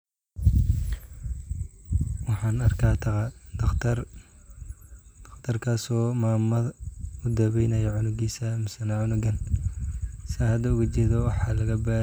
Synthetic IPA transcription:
wɑħɑːnɐrkʰaːt̪ʰɐqɑd̪ɐt̪ʰɐr | d̥̪ɐqt̪ʰɐrkʰaːsɔːmaːmɐʊd̪ɐβɛjnɐjɐʕʊnʊɡiːsɐmɪsɐnɐʕʊnʊɡɐn | sɪhɐd̪ɐʊɣɐt͡ʃɛːðɔwɑħɑːlɐɣɐbaː

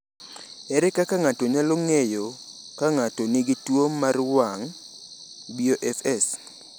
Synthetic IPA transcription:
ɛɾɛkakaŋatoɲaloŋejo | kaŋatonɪɡitwomarwaŋ | bioʔɛfɛs

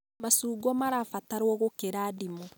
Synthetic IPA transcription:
masuːɡɔmaɾafataɾwɔɣokeɾaːdimɔ

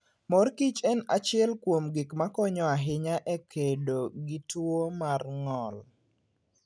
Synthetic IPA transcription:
mɔrkit͡ʃɛna̰t͡ʃɪɛlkwomɡɪkmakɔɲɔaɦɪɲaʔɛkʰedoɡɪtwomarŋɔl

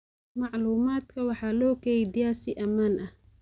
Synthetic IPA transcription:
mɑʕluːmaːd̪kʰɐwɑħɑːlɔːkʰɛjd̪ɪjaːsɪʔɐmaːnʔɐh

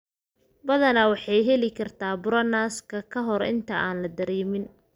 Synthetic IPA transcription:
bɐðɐnɐwɑħɑjɦɛlɪkʰɐrt̪ʰaːbʊɾɐnaːskʰɐkʰɐɦɔrɪ̰nt̪ʰɐʔaːnlɐd̪ɐɾɛːmɪn

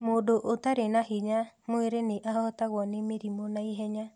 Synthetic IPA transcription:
modoʔot̪aɾenahiɲamueɾeneʔahɔɔt̪awɔnemiɾimonaiɦɛɲa

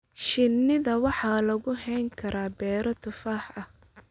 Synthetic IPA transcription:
ʃɪnːɪðɐwɑħɑːlɐɣʊɦɛjŋkʰɐɾʔaːbɛːɾɔt̪ʰʊfaːħɐh

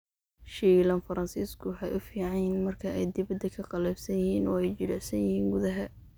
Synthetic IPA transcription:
ʃiːlɐnfɐɾɐnsiːskʰʊwɑħɑjʔʊfiːʕɑnmɐrkʰɐʔɛjd̪ɪβɐd̪ɐkʰɐqɑlɛːbsɐnjɪiːnɔːɛjt͡ʃɪlɪʕsɐnjɪhiːŋɡʊðɐɦɐ

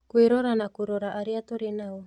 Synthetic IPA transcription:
kuiɾoɾanakuɾoɾaʔːɾiat̪oɾinao

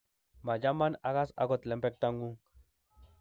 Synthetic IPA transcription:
majamanaɣasa̰kot̪lempek̚t̪aŋɡuŋ

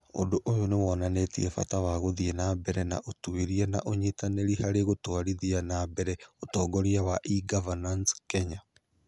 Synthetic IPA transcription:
o̰doʔojonewɔːnanetiɛfa̰tawaɣoðiɛnabɛɾɛna̰ʔotuiɾiɛna̰ʔoɲitaneɾihaɾeɣotwaɾiðianabɛɾɛotɔːɡɔɾiawaʔiɡavananskɛɲa

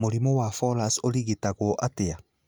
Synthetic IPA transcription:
moɾimowafɔlasoɾiɣitaɣwɔʔatea

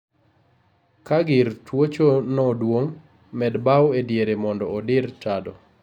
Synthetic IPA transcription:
kaɡɪɾtʰwot͡ʃonɔdwoŋ | mɛdbawedjeɾemɔndɔːdɪɾt͡ʃadɔ

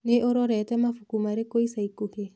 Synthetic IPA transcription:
neʔoɾɔɾɛtɛmafukumaɾekoisaikohe

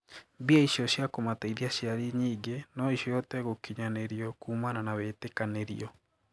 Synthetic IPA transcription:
biaiɕjɔɕjakomataiðiaɕiaɾiɲiːɡenɔiɕjɔjɔtɛɣokiɲaneɾiɔkuːmananaβetekaneɾḭɔ

